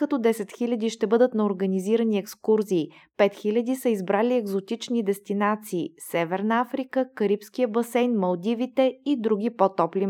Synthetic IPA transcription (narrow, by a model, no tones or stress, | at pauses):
kɐt̪ɔd̪ɛsɛt̪xilʲəd̪iʃt̪ɛbɤd̪ət̪nɐoɾɡəniziɾəniɛkskuɾziː | pɛt̪xilʲəd̪isəizbɾaliɛɡzot̪it͡ʃnid̪ɛst̪inat̪siːsɛvɛɾnəafɾikəkəɾipsk̟ijəbɐsɛjnmɐlˠd̪ivit̪ɛid̪ɾuɡ̟ipot̪ɔpli